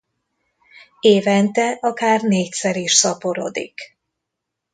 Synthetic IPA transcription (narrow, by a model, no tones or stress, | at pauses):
eːvɛnt̪ɛʔɒkaːrneːcsɛɾiʃsɒpoɾo̰d̪ḭk